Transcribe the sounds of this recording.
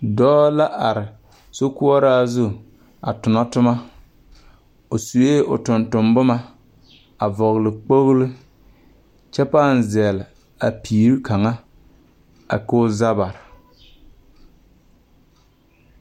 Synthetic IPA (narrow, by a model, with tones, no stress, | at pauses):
dɔː˦la˦ʔa˨ɾɪ˨ | so˦ku˦ɔ˦ɾaː˦zʊ˦˨ | a̰˨tʊ˨nɔ˦tʊ˦ma˦ | o˨su˨je˦ʊ̰˨tʊ˨ntʊ˨mbʊ˦ma˦ | a˨vɔ˨ɣlɪ˨k͡po˦ɣlɨ˦ | t͡ʃɛ˦pa˦˨n˨zɛ˨lɪ˨ | a˨piː˨˦ɾi˦kʰa˨ŋa˦ | a̰˨ko˦za˦ba˨ɾɪ˨